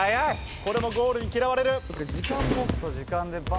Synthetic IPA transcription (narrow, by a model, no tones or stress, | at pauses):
ajaj | ko̞ɾe̞moɡo̞ːɾɯ̟ɲ̟ikʲiɾaβaɾe̞ɾɯ̟sokːed͡ʑikãmosod͡ʑikãnd̪e̞ba